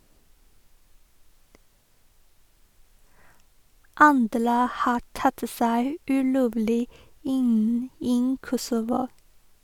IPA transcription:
ˈɑndɾə ˈhɑː ˈʈɑt ə ˈsæɪ ʉːˈloːʋlɪ ˈɪn ˈiː ˈkɔsʊʋʊ

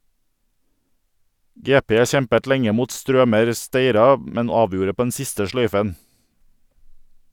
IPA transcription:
ˈɡeːˌpeː ˈçɛmpət ˈlɛŋə ˈmuːt ˈstɾøːməɾ ˈsteɪɾɑ ˈmɛn ˈɑːˌʋjuːɾə ˈpoː ˈɛn ˈsɪstə ˈʃlœʏfən

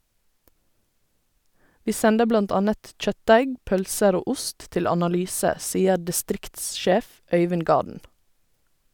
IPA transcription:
ˈʋiː ˈsɛndə ˈblɑnt ˈɑnət ˈc͡çœtˌdæɪɡ ˈpœlsəɾ ˈoː ˈʊst ˈtɪl ɑnɑˈlyːsə ˈsiːə dɪˈstɾɪktsˌʃeːf ˈœʏʋɪn ˈɡɑːdn̩

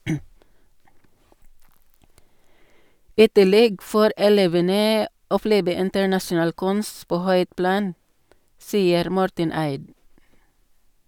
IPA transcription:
ˈiː ˈtɪˌlɛɡ ˈfoːɾ ɛˈleːʋənə ɔˈpleːbə ɪntəɹˈnɑʃʊˌnɑːl ˈkʉns ˈpoː ˈhœʏt ˈplɑːn ˈsiːəɾ ˈmɔɾtən ˈæɪd

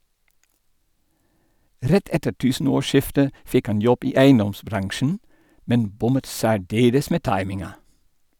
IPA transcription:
ˈɾɛt ˈɛtə ˈʈʉːsn̩ˌoːˌʃɪftə ˈfɪk ˈɑn ˈjɔb ˈiː ˈæɪənˌdɔmsˌbɾɑŋʃn̩ ˈmɛn ˈbʊmət ˌsæːˈɖeːləs ˈmeː ˈtɑɪmɪŋɑ

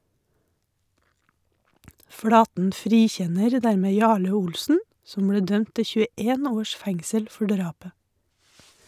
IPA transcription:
ˈfɽɑːtn̩ ˈfɾiːˌçɛnəɾ ˈdæɾmeː ˈjɑːɭə ˈʊlsn̩ ˈsɔm ˈbɽeː ˈdœmt ˈtɪ çʉəˈeːn ˈoːʃ ˈfɛŋsəl ˈfɔ ˈɖɾɑːpə

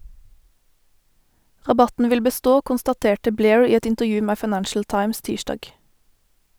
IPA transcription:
ʁɑˈbɑtn̩ ˈʋɪl bəˈstoː kʊnstɑˈteːʈə ˈbleːɹ ˈiː ˈɛt ɪntəʁˈjʉː ˈmeː fɑɪˈnænʃl̩ ˈtɑɪms ˈtiːʃdɑːɡ

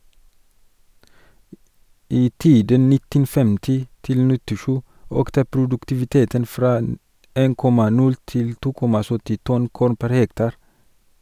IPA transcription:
ˈiː ˈtiːdən ˈnɪtən ˈfɛmtɪ ˈtɪl nɪtɪˈʃʉː ˈøːktə pɾʊdʉktɪʋɪˈteːtən ˈfɾɑː ə ˈeːn ˈkɔmɑ ˈnʉl ˈtɪl ˈtuː ˈkɔmɑ ˈsœtɪ ˈtɔn ˈkuːɾn ˈpæɾ ˈhɛktɑɾ

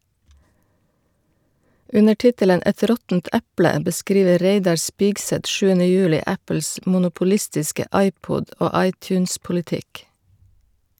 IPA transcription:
ˈʉnə ˈʈɪtələn ˈɛt ˈɾɔtn̩t ˈɛplə bəˈskɾiːʋə ˈɾeɪdɑɾ ˈspɪɡsɛt ˈʃʉːənə ˈjʉːlɪ ˈæpl̩s mʊnʊpʊˈlɪstɪskə ˈɑɪˌpʊd ˈoː ˈɑɪˌtʉːnspʊlɪˌtɪk

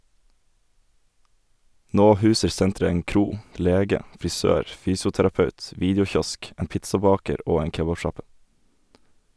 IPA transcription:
ˈnoː ˈhʉːsəɾ ˈsɛntɾə ˈeːŋ ˈkɾuː ˈleːɡə fɾɪˈsøːɾ ˈfyːsʊtæɾɑˌpɑʉt ˈʋiːdjʊˌçɔsk ˈeːn ˈpɪtsɑˌbɑːkəɾ ˈoː ˈeːŋ ˈkeːbɑˌʃɑpə

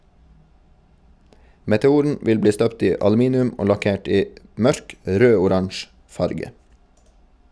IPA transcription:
mɛtɛˈuːɾn̩ ˈʋɪl ˈbliː ˈstœpt ˈiː ɑlʉˈmiːnɪʉm ˈoː lɑˈkeːʈ ˈiː ˈmœɾk ˈɾøːʊˌɾɑnʃ ˈfɑɾɡə

